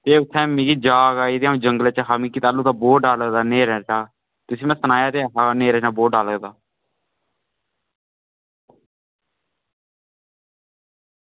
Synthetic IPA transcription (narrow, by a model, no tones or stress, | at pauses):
t̪eːʊt̪ʰːɛ̃ːmĩːkiːd͡ʒaːɡaːit̪eãːd͡ʒəŋɡəlet͡ʃaɦaːmĩːkːiːt̪aːluːt̪aːboːɖaːləd̪aːneːɾɛ̃ːt͡ʃaː | t̪ʊsĩːmɛ̃ːsənaːjaːt̪eːɦaneːɾɛːt͡ʃaːboːɖaːləɡd̪aː